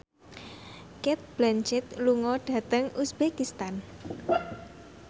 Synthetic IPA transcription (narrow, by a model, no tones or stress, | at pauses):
kɪt̪̚b̥lant͡ʃɪt̪luŋɔɖ̥ä̤t̪əŋusb̥ekist̪an